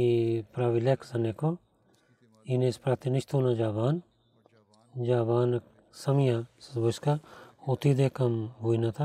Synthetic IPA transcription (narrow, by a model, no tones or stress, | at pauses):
ipɾaːʋileksɐneko | inespɾaːt̪inɪʃt̪oːnad͡ʒaːbaːn | d͡ʒaːbaːn | sɐmjaboskaot̪id̪ekɐmbuinat̪ʰa